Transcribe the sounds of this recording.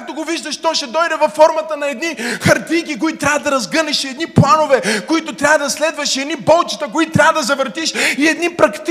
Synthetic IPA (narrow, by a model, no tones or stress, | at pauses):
kt̪oɡoviʒd̪əʃt̪ɔʃɛd̪ɔjd̪ɛvɐfːɔɾmɐt̪ənɐɛd̪nixɐɾt̪ikik̬oit̪ot̪ɾʲjavɐd̪ɐɾɐzɡənɛʃɛd̪niplˠanovɛkoit̪ʊt̪ɾʲavɐd̪ɐslɛd̪vɐʃɛd̪nibɔlˠt͡ʃi̥t̪ɐkoit̪t̪ɾʲavɐəd̪ɐzɐvəɾt̪iʃiɛd̪nipɾɐkt̪